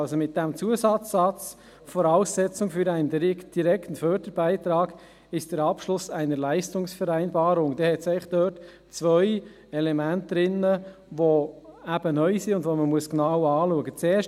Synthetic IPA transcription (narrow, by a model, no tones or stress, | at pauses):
lsomɪt̚d̥æmt͡suəsɑt͡sːɑt͡s | fɔɾɑʊsːɛt͡sʊŋfyɾæɪndiɾɪktd̥iɾɛktn̩fœːɾd̥əɾb̥æɪtɾɑːɡ̥ | ɪʃd̥əɾɑpʃlʊsæɪnəɾlæɪstʊŋsfəɾæɪnbɑːɾʊŋd̥ɛhɛtsæɪχd̥œːt | t͡svœʏ | ɛlɛmæntdɾɪnəʋoæb̥ənœʏsiʊndʋoməmuəsknɑwɑːluəɡət͡sɛːʃ